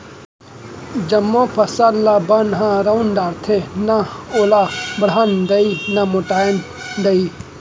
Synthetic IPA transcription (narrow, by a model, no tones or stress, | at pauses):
d͡ʒɐmːõpʰɐsallabɐnɦãɾɐund̪aːɾt̪ʰenaoːlabɽ̤and̪ɐinɐmʊʈaːn | d̪ɐi